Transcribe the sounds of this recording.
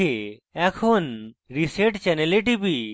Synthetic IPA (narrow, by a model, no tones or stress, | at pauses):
eɛkʰonɾiseʈt͡ʃɛneleʈ̬ibi